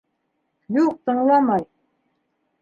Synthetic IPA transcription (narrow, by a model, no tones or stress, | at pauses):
juq̚t̪ɤ̆ɴlˠɑmɑj